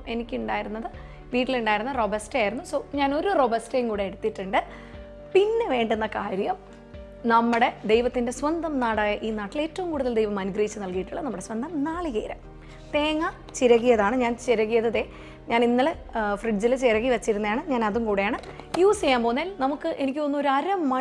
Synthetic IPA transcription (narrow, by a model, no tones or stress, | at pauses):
e̞nikʲːuɳɖaːjiɾunːɐðɨ | ʋiːʈːiluɳɖaːjiɾunɐro̞bɐstaːjiɾunːusoːɲaːno̞ɾurobɐstejŋkuːɽeeɽut̪ːiʈːɨɳɖɨ | pinːe̞ʋe̞ːɳɖunːɐkaːɾjɐm | nɐmːuɽe̞d̪e̞jʋɐt̪ːinde̞sʋɐnd̪ɐmnaːɽaːjɐʔiːnaːʈːile̞ːtːɐʋumkuːɽuðɐld̪ejʋɐmɐnuɡrɐjit͡ɕːɨnɐlkijiʈːuɭːɐnɐmːuɽe̞sʋɐnd̪ɐmnaːɭiɣḛːɾɐ̰m | t̪e̞ːŋːa | t͡ɕiɾɐɣːijɐðaːɳɨɲaːnt͡ɕiɾɐɣːijɐðɐðe̞ | ɲaːninːɐle | friɖd͡ʑilt͡ɕiɾɐɣːiʋɐt͡ɕːiɾunːɐjaːɳɨɲaːnɐðuŋkuːɽejaːɳɨ | juːsejaːmpo̞ːnːaːlnɐmukːɨʔe̞nikʲːɨonːuo̞ɾuɐɾɐmːɐ